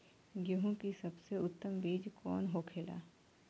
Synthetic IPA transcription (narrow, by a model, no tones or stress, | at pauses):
ɡʊɦũkisɐbseʊt̪ːəmbiːd͡ʒkɔ̰ːnɦokʰeːla̰ː